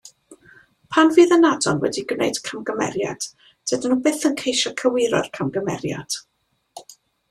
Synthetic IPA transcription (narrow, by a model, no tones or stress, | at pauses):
pʰanviːðənadɔnwɛ̰diɡnḛjd̥kʰamɡəmɛ̰ɾja̰d̥ | d̥ədənuːbɪθənkʰejʃɔkʰəwɪɾɔ̰rkʰamɡəmɛ̰rja̰d̥